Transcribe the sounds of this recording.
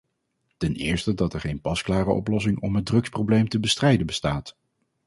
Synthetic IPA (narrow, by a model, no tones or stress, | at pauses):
tɛnɪ̰ːɹstədɑtɛɹχejnpɑsklaːrəɔ̰plɔs̬ɪŋɔmɦədrɵksprowblejmtəbəstrɛjdənbəstaːt